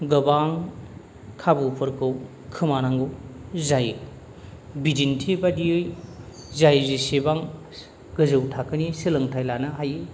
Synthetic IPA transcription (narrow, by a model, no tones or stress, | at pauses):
ɡɐbaŋ | kʰabupʰɯɾkʰɯw | kʰɯmanaŋɡɯzaj | bidintʰibadiɯj | zajzisebaŋ | ɡɯzɯwtʰakɯnisilɐŋtʰajlanɐɦaji